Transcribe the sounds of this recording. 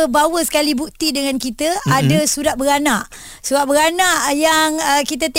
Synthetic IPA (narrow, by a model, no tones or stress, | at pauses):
əbawəsə̥kalibuk̚t̪idəŋãnkit̪əʔadasuɾaʔ̚bəɾanaʔ | suɾaʔ̚bəɾanaʔjaŋəkit̪at̪e